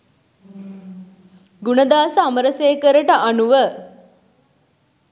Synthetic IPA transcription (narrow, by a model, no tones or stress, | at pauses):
ɡunəd̪aːsəaməɾəseːkəɾəʈəʔanuʋə